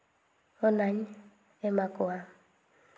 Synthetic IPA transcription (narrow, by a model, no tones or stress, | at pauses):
ɔnaɲ | ɛmakʊa